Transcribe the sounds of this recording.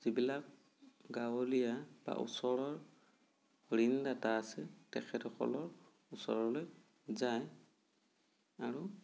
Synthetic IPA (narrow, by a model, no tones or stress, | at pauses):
z̥ibilak̚ | ɡawɔlijab̥a̰ʔṵsɔɹɔɹ | ɹindataːsɛtɛkʰɛtɔkʰɔ̰lɔɹ | usɔ̰ɹɔloj | zaj | aɹu